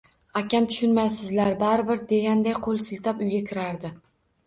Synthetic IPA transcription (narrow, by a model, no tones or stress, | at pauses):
akʲʰamt̪ʰʊ̥ʃʊnmajsɪzlaɾbaɾɪbɪɾd̪e̞ɡʲand̪ajqʰolˠsɪlt̪ʰapʊjɡʲakʲʰɪɾaɾd̪ɪ